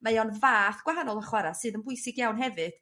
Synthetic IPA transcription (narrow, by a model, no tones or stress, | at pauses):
majɔnvaːθɡ̥waɦanɔlˠəχwɛɾasɨːðənbʊjsɪɡjawnɦɛvɨd̥